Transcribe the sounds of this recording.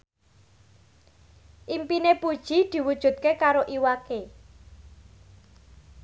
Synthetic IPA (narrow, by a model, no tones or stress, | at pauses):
ʔimpinepud̥ʒ̥i̤d̪̥i̤wud̥ʒ̥ṳt̪̚kekaɾoʔiwake